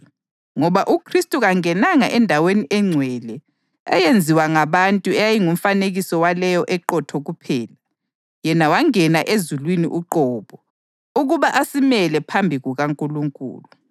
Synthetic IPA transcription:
ŋɔβaʔukʰristʼuɣaŋɛnaŋa̰ʔɛndʱaweniʔɛŋ͡ǀʱwɛlɛ | ɛ̰jend͡zʱiwaŋaβantʼuɛjajiŋum̩faneɣisɔwalɛjɔʔɛǃɔtʰɔɣupʰɛːla | jɛnawaŋɛnaʔezulwiniʔuǃɔːβɔ | uɣuβaʔasimɛlɛpʰambʱiɣuɣaŋkʼuluŋkʼṵːlu

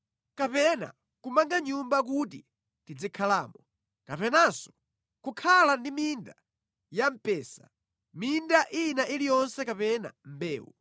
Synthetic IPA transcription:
kapɛna̰ | kumaŋɡaɲumbak̬ut̬ḭ | tid͡zikʰalaːmɔ | kapɛnasɔ̥ | kukʰalandiminda | jam̩pɛːsa̰ | mindaʔinaʔilijɔnsɛkapɛna̰m̩bɛ̰ːwu

